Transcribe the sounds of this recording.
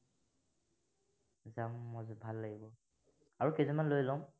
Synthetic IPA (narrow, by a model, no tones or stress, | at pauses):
zamːɔzbʱalːaɡibɔ | aɹukezɔmanlojlɔm